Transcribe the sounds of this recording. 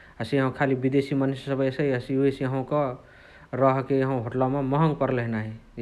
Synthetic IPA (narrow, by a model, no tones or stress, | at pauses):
ɦəsiɦõkʰalibid̪esimənisəbəsəjəsiuesiɦə̃kɔ | ɾəɦkejɦɦoʈlamemɔɦəŋɡpəɾləɦnaɦi